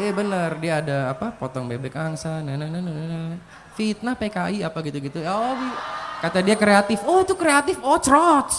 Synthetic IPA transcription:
ibənərdiaːdaːpapɔt̪ɔŋbebɛk̚aŋsanənənənənənə | fit̪̚napekaʔiapaɡit̪uɡit̪uaobikat̪adiakɾeat̪ɪfɔt̪ukɾeat̪ɪfɔt͡ʃɾɔt

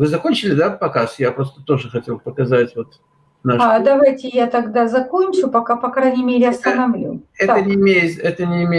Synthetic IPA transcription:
vɨzɐkonʲt͡ɕɪlʲɪd̪apɐkasjapɾo̞st̪ət̪o̞ʐɨxɐtʲe̞lˠpəkɐzatʲvo̞t̪ | naʂad̪ɐvajtʲɪjat̪ɐɡd̪azɐkonʲt͡ɕʊpɐkapɐkɾajnʲɪmʲeɾʲɪɐst̪ənɐvlʲṵɛənʲɪɪmʲejɪɛt̪ənʲɪːmʲe

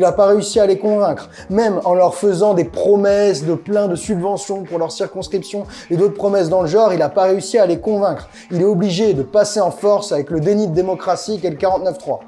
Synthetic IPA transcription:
ilapaʁeysialekɔ̃vɛ̃kχ | mɛmɑ̃lœʁfəzɑ̃d̪epχɔmɛsd̪əplɛ̃d̪əsybvɑ̃sjɔ̃puʁlœʁsiʁkɔ̃skχipsjɔ̃ | ed̪ot̪χpχɔmɛs̬d̪ɑ̃ləʒɑ̃ʁilapaʁeysialekɔ̃vɛ̃kχ | ilɛɔbliʒed̪əpaseɑ̃fɔʁsavɛkləd̪enid̪əd̪emɔkχasik̬ɛləkaʁɑ̃t̪nœft̪χwa̰

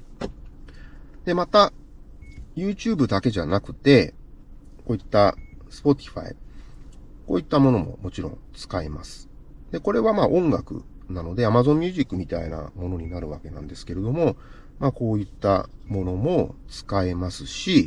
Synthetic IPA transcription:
d̪e̞mat̪a | jɯːt͡ɕɨːbɯ̟d̪ake̞ʑanakɯ̟̥t̪e̞ | ko̞ːit̪ːasɨ̥po̞t̪ʲi̥ɸa̰ḭ | ko̞ːit̪ːamo̞no̞mo̞̰mo̞t͡ɕiɾõ̞̰nt͡sɨ̥kaemasɨ̥ | d̪e̞ko̞ɾe̞βamaːʔõ̞ŋɡakɯ̟̰ | nano̞d̪e̞amazõ̞mːʲjɨːʑikːɯ̟mʲit̪a̰ḭna̰mo̞no̞ɲ̟inaɾɯ̟βake̞nã̰nd̪e̞sɨ̥ke̞ɾe̞d̪o̞mo̞ | mako̞ːit̪ːa̰mo̞no̞mo̞t͡sɨ̥kaemasɨɕi

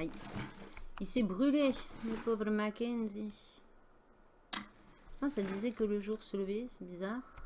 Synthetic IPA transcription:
j | ilsɛbʁyleməpovʁəmakʲɛnzi | t̪ɑ̃sad̪izɛkələʒuʁsələvesɛbizaʁ

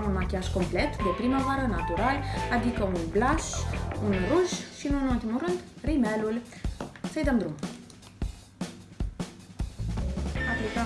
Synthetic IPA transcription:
unmakʲiaʒkomplet̪d̪epɾimavaɾənat̪uɾalad̪ikəunblaʃunruʒʃinunult̪imuɾɨnd̪rimɛlulʲ | səjd̪əmd̪ɾum | aplik̪a

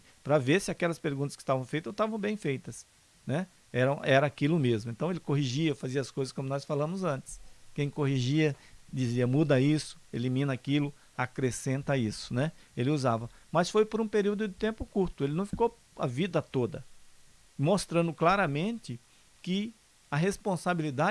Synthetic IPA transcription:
pɾɐveɾsɪakɛlɐspeɾɡũt̪ɐskɪ̥st̪avɐ̃w̃fejt̪ɐst̪avɐ̃w̃bẽj̃fejt̪ɐs | nɛ | ɛɾɐ̃w̃ɛɾɐakilʊmezmʊẽnt̪ɐ̃w̃elɪkoɦiʒiɐfaziɐskojzɐskõmʊnɔsfalɐ̃mʊzɐ̃nt̪ɪ̥skẽj̃kohiʒiɐd͡ʒ̪iziɐmud̪ɐisʊ̥elimĩnɐakilʊ | akɾesẽnt̪ɐisʊ̥nɛelɪuzavɐmɐsfojpoɾũpeɾiwd̪ʊd̪ɪt̪ẽmpʊkuɾt̪ʊelɪnɐ̃w̃fi̥kow | ɐ̰vid̪ɐt̪od̪ɐ̰ | most̪ɾɐ̃nd̪ʊklaɾɐmẽnt̪ɪ | kɪ | ɐɦespõsabilid̪a

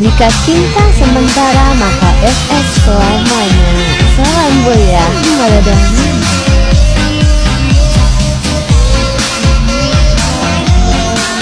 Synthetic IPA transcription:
dikat͡ʃint̪asəmənt̪aɾamakaʔɛsɛskəlamana | salanboja | madadai

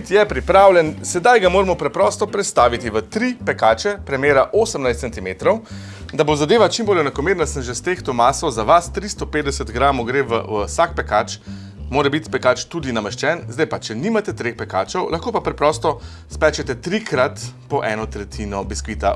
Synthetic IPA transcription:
t̪jɛpɾipɾaːwlʲjɛnsɛd̪ajɡamoːɾɛmɔpɾɛpɾɔst̪ɔpɾɛt̪st̪aːʋit̪iʋət̪ɾipɛkaːt͡ʃɛpɾɛmeːɾaʔoːsəmnajst̪sɛnt̪imet̪ɾɔw | d̪abozad̪eːʋat͡ʃimbolɛnakɔmeːɾnd̪asəmʒɛst̪ext̪omaːsɔzaʋast̪ɾist̪ɔpeːd̪d̪ɛsət̪ɡɾaːmɔɡɾeʋə̰sak̚pɛkat͡ʃ | moːɾɛbit̪pɛkaːt͡ʃt̪ud̪inamɛʃt͡ʃɛnzd̪ajpat͡ʃɛniːmat̪ɛt̪ɾexpɛkaːt͡ʃɔwlʔaxkoːpapɾɛpɾɔst̪ɔ | spɛːt͡ʃɛt̪ɛt̪ɾikɾat̪pɔʔɛːnɔt̪ɾɛt̪ʰiːnɔbiskʋiːt̪a

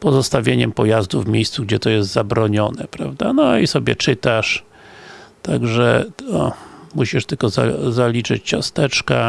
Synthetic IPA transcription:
pɔzɔst̪avʲjeɲɛmpɔjazd̪uvmʲejst̪suɡd͡ʑɛt̪ɔjɛst̪zabɾɔɲɔnɛpɾavd̪anɔisɔbʲɛ̰t͡ʂɘt̪aʂ | t̪aɡʐɛɔmuɕiʂt̪ɘlkɔza̰zalʲit͡ʂɘt͡ɕt͡ɕast̪ɛt͡ʂka

